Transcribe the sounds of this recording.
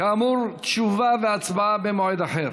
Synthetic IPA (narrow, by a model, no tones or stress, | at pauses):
kaːmuɾt̪ʃuvaveat͡sbaabemoed̪aħeɾ